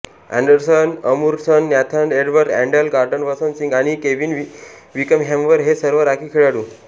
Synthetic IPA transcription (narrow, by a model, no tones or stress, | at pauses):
æ̰̃ɳɖəɾsənəmuɾsənːjat̪ʰaneɖʋəɾʈæ̃ɳɖəlɡaɾɖənʋəsənsĩŋɡaɽ̃ikeʋinʋikəmɦɛ̃mʋəɾɦesəɾʋəɾakʰikʰeɭaɽu